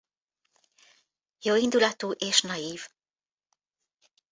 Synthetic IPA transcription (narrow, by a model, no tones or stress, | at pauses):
joːind̪ulɒt̪uːʔeːʃnɒjiːv